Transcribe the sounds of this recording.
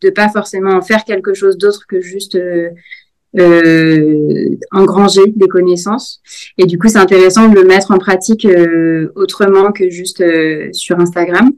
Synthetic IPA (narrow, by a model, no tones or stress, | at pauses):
d̪̥əpafɔʁsemɑ̃fɛʁkʲɛlkəʃozd̪ot̪χkəʒyst̪ø | ø | ɑ̃ɡʁɑ̃ʒed̪ekɔnesɑ̃sed̪ykus̬ɛt̪ɛ̃t̪eʁɛsɑ̃d̪ələmɛt̪χɑ̃pχat̪ikøot̪χəmɑ̃kəʒyst̪øsyʁɛ̃st̪aɡʁam